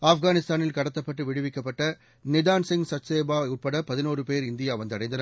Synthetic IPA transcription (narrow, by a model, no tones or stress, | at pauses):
aːfɡaːnɪst̪aːnɪlkɐɽɐt̪ːɐpːɐʈːɯʋɪɽɯʋɪkːɐpːɐʈːɐ | nɪðaːnsɪŋɡsɐtseːbaːʊʈ̚pɐɽɐpɐðɪnoːrɯpeːɾɪnd̪ɪjaːʋɐnd̪ɯɐɽɐɪnd̪ɐnɐ